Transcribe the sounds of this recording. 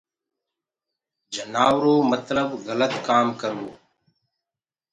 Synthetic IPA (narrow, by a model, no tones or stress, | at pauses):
d͡ʒənaːʋɾoːmət̪ləbɣələt̪kaːmkəɾo̰ː